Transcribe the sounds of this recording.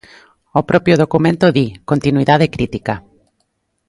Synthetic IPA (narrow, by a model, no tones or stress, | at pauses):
opɾɔpjoðokumẽnt̪oðikont̪inwiðaðekɾit̪ika